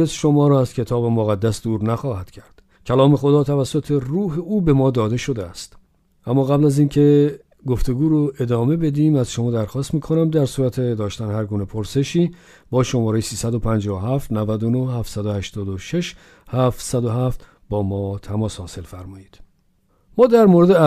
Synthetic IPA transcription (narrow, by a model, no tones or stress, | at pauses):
esʃo̞mɒːɾɒːæz̥cʰe̞t̪ʰɒːbemoɣæd̪ːæsd̪uːɾnæxɒːhæd̪̥cʰæɾd̪̥ | cʲʰælɒːme̞xo̞d̪ɒːt̪ʰævæsːot̪ʰe̞ruːɦeuːbe̞mɒːd̪ɒːd̪e̞ʃo̞d̪eæst̪ | ʔæmːɒːɣæblæziːncʰe̞ | ɡo̞ft̪ʰe̞ɡuːɾoe̞d̪ɒːme̞be̞d̪iːmæzʃomɒːd̪æɾxɒːst̪miːkʰo̞næmd̪æɾsuːɾæt̪ʰed̪ɒːʃt̪ænhæɾɡuːnepʰoɾse̞ʃiː | bɒːʃo̞mɒːɾejsiːsæd̪o̞pʰænd͡ʒɒːoɦæft̪nævæd̪ono̞hhæft̪sæd̪ohæʃt̪ɒːd̪oʃe̞ʃ | hæft̪sæd̪oɦæft̪ | bɒːmɒːt̪ʰæmɒːshɒːse̞lfæɾmɒːjiːd̪̥ | mɒːd̪æɾmoːɾe̞d̪e